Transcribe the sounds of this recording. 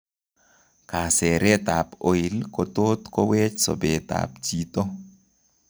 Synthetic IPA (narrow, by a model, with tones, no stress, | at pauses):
ka˨sɛ˨ɾɛ˦t̪a˨po˨i˨lkɔ˨t̪o˦t̪kɔ˦wɛ˦t͡ʃsɔ̰˨bɛ˨t̪a̰˨p̚d͡ʒi˦t̪o˦